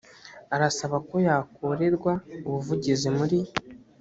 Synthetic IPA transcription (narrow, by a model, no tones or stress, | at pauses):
aɾasaβako̞jaːkoɾe̞ɾɡwauβuvuɟizimuɾi